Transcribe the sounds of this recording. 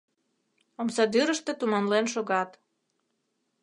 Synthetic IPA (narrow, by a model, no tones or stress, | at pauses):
omsɑd̪yɾəʃt̪ĕt̪umɑnlenʃoɣɑt̪